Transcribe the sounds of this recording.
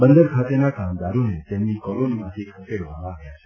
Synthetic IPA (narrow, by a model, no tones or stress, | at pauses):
bənd̪əɾkʰat̪enakamd̪aɾonet̪emnikoɾonmãt̪ʰikʰəkeɽʋamãːɡjat͡ʃʰe̥